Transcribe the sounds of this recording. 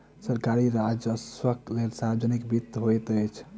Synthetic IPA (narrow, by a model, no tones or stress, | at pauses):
səɾkaɾiɾad͡ʒəswəklelsaɾd͡ʒənikbit̪ːɦojt̪əjt͡ʃʰ